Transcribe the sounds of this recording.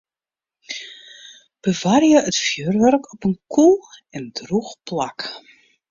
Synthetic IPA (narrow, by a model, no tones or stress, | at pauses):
b̥əvarjəətfjøːrʋœrkʰɔpənkʰulˠɛndruxplak